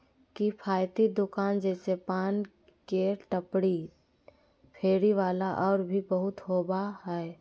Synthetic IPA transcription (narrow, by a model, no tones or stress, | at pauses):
kipʰaːjt̪id̪ʊkaːnd͡ʒɛːsepaːn | keʈəpɽi | pʰeːɾiʋaːlaʔɔːɾbʱibəɦʊt̪ɦoːbaɦɛː